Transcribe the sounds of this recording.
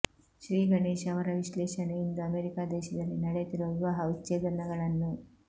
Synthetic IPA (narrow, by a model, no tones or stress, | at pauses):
ʃɾiːɡɐɳeːʃɐʋɐɾɐʋiʃleːʃɐɳejind̪ɐɐmeːɾikaːd̪ɛːʃɐd̪ɐlːinɐɽet̪iɾoːʋɐɦɐutːt͡ʃeːd̪ɐnɐɡɐɭɐnːu